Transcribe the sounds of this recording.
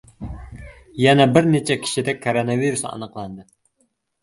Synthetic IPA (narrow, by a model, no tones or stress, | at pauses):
jɛnɛbɪɾnet͡ʃʰɛkʲʰi̥ʃid̪ɛk̚ʲkʰːoɾonɑviɾusɑ̰nəqlˠɑnd̪ɨ